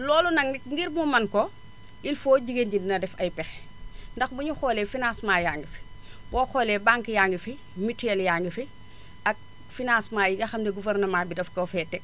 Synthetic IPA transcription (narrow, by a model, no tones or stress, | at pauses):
lɔːlɔnɐŋiŋɡiɾmumɐnko | ilfoːɟiɡenɟindinɐdɛfɐjpɛx | ndɐxbuɲuxoːleːfinasmaːjaːŋɡifi̥boxoːlebaŋkijaŋɡifi | mitjeljaːŋɡifi | ʔak̚ | finasmaːjiɡɐxɐmdeɡuveɾnɐmaːbidɐfkofɛːtɛk